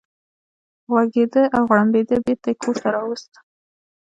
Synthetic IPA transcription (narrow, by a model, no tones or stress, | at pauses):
ɣwaɡed̪əʔawɣɽambed̪əbeɾt̪akʰoɾt̪aɾɑwəst̪